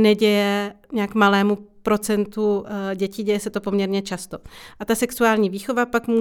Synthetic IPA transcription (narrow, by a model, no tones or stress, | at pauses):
nɛɟɛjɛɲakmalɛːmupɾo̞t͡sɛnt̪uɟɛciːɟɛjɛsɛt̪o̞po̞mɲɛɾɲɛt͡ʃast̪o̞ʔat̪asɛksuaːlɲiːviːxo̞vapakmuː